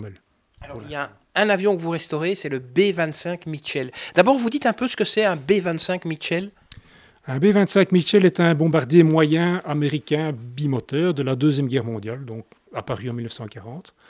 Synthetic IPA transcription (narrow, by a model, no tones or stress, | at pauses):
ɛl | alɔʁiilja | ɛ̃navjɔ̃kvuʁɛst̪ɔʁesɛləbevɛ̃t̪sɛ̃kmiʃɛld̪abɔːʁvud̪it̪ɛ̃pøsə̥kəsɛɛ̃bevɛ̃t̪sɛ̃kmiʃɛl | ɛ̃bevɛ̃t̪sɛ̃kmiʃɛlɛt̪ɛ̃bɔ̃baʁd̪jemwajɛ̃ameʁikʲɛ̃bimɔt̪œːʁd̪əlad̪øzjɛmɡʲɛʁmɔ̃d̪jald̪ɔ̃ːk | apaʁyɑ̃milnəfsɑ̃kaʁɑ̃t̪